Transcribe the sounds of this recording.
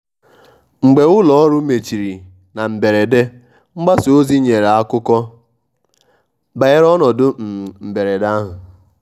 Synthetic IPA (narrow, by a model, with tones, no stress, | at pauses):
ŋ͡m̩˨ɡ͡be˨ʊ˦lɔ˨˦ɾʊ˦me˨t͡ʃi˨ɾi˨ | na˨m̩˨be˨ɾe˨de˦ | ŋ͡m̩˦ɡ͡ba˦so˦zi˦ɲe˨ɾa˦kʊ˦kɔ˦ | ba˨e˦ɾɔ˦nɔ˨dʊ˦m̩˨m̩˨be˨ɾe˨da˦ɦʊ˨